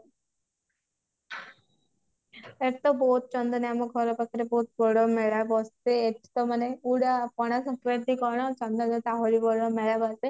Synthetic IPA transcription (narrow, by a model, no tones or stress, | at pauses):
et̪ɔbɔɦut̪̚t͡ʃɔnd̪ɔnamɔɡʱɔɾɔpakʰaɾebɔɦut̪bɔɽɔmeɭabɔst̪eːʈi̥t̪ɔmaneuɽapɔɽ̃asɔŋkɾeɾt̪ikɔɽ̃ɔt͡ʃɔnd̪ɔnet̪aɦoɾibɔɽɔmeɭabɔst̪e